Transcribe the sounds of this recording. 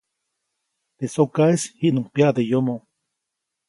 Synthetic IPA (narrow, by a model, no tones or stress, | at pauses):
t̪esokaeshiʔnuŋpjaʔd̪ejomo